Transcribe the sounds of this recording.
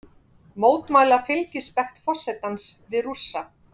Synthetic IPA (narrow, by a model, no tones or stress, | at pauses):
moːwt̪maːjlafɪlcɪspɛxt̪fɔ̥sɛt̪ansvɪðrusːa